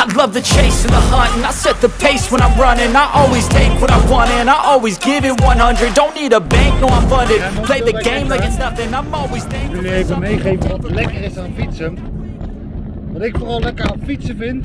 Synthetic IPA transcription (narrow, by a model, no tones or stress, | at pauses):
aɪlʌvðɨt͡ʃʰeɪsɨ̃ðəhɑ̃tɨ̃naɪsɛt̪̚ðəpʰeɪswə̃ñãɪ̃mɹʌnɪ̃ŋ̃naɪʔɔlˠwiz̥tʰeɪkwʌɾãɪ̃mwɑ̃ñɪ̃ŋɨ̃naɪʔɔlˠwizɡɪvɪt̚wʌ̃nhʌ̃ndɹɨd̚dõʊ̃nːiɾəbæ̃ŋk̚nəʊãɪ̃ɱfʌ̃ndɨpʰl̥eɪðɨɡẽɪ̃mlaɪkɨtⁿnʌθɪ̃ŋãɪ̃mɔlˠwiz̥tʰeɪljəefəmeɪχeɪvə̃ʌtəlɛkəɾɪsãfitsəm | vʌtɪkfəʁɔlˠlɛkəfitsəfɪ̃nt